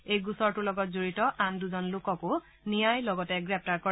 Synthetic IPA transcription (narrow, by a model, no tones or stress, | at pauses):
ejɡusɔɹtʊlɔɡɔtzoɹitɔʔanduzɔnlokɔkʊ | nijajlɔɡɔtɛɡɹɛp̚ʰtaɹkɔ